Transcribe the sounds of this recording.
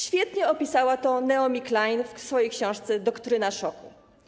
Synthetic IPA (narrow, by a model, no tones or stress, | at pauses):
ɕfʲjɛt̪ɲɛɔpʲisawat̪ɔnɛɔmʲiklajnfsfɔjejkɕɔ̃w̃ʂt̪sɛd̪ɔkt̪ɾɘnaʂɔku